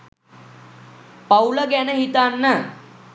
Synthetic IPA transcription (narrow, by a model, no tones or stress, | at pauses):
pawləɡɛnəɦit̪anːə